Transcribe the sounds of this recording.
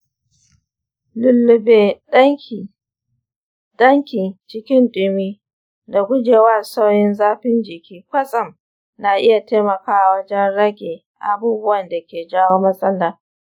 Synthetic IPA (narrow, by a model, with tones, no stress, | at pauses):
lʊ˨lːʊ˨beː˨ɗ | ɗɐ˦ŋkʲi˨t͡ʃɪ˦kʲɪ˦nɗʊ˨miː˦ | da˨ɡʷʊ˦d͡ʒeː˨waː˦˨sa˦wjɪ˦nzaː˦ɸɪ˦nd͡ʒɪ˨kʲʰiː˦kʷɐ˦sʼɐ˨m | na˨ʔɪ˦ja˨teː˦mɐ˨kaː˦ʔa˨wɐ˦d͡ʒɛ˦nɽɐ˦ɡʲeː˨ | ʔa˨buː˦bʊ˦wɐ˨nda˨kʲeː˨d͡ʒaː˦woː˦mɐ˦sʼɐ˦lːaː˨